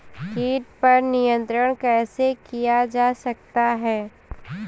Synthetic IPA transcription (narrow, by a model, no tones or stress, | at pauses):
kiːʈpɐɾnijə̃nt̪ɾəɽ̃kɛːsekijad͡ʒaːsɐk̚t̪aɦɛː